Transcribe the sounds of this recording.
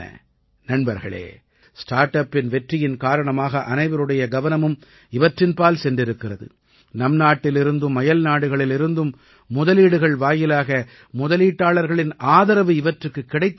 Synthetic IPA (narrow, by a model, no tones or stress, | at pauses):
ɐ̰ | nɐɳbɐɾɣɐ̰ɭḛː | sʈaːɾʈɐpːɪnʋɛʈrɪjɪnkaːɾɐɳɐmaːɣɐʔɐnɐɪʋɐɾɯɽɐjɐɡɐʋɐnɐmɯm | ɪʋɐʈrɪnpaːlsɛndrɪɾɯkːɪrɐðɯ̰ | nɐmnaːʈːɪlɪɾɯnd̪ɯmːɐjɐlnaːɽɯɣɐɭɪlɪɾɯnd̪ɯmː | ʊðɐliːɽɯɣɐɭʋaːjɪlaːɣɐ | mʊðɐliːʈːaːɭɐɾɣɐɭɪnaːðɐɾɐʋɯɪʋɐʈrɯkːɯkːɪɽɐɪt̪ː